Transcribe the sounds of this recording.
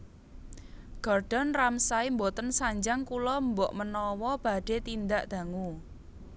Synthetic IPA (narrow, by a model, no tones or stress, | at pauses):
ɡ̥ɔrɖ̥a̤nramsaimbot̪ənsaɲd͡ʒaŋkulɔmbɔʔmənɔwɔb̥a̤ɖ̥e̤t̪ind̪aʔd̪̥a̤ŋu